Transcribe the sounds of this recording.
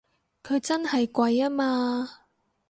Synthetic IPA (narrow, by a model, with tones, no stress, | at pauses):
kʰɵ˨˧ɥt͡sɐ˥nhɐ˨jkʷɐ˧jaː˥maː˧